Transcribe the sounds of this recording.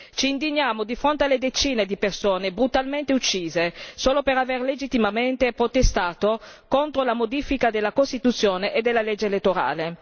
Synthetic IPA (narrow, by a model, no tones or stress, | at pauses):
t͡ʃiːnd̪iɲːaːmod̪ifɾont̪ealːed̪et͡ʃiːned̪ipersoːnebɾut̪alment̪eut͡ʃːiːzesoːlopeɾaverled͡ʒit̪ːimament̪epɾot̪est̪aːt̪okont̪ɾolamod̪iːfikad̪elːakost̪it̪ut̪sːjoːneʔed̪ːelːalɛd͡ʒːelet̪ːoɾa̰ːle